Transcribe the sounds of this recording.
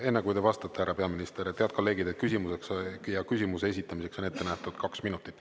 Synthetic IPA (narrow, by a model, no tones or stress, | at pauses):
e̞nːekujt̪e̞vɑst̪ɑt̪ːeæɾɑpe̞ɑminist̪e̞ɾet̪e̞ɑd̪̚ko̞lːe̞ːɡid̪et̪̚kysʲimuseksjɑkysimuse̞es̬it̪ːˑɑmise̞kso̞ne̞t̪ːe̞næht̪ud̪̥kɑksminut̪ːˑit̪ːˑ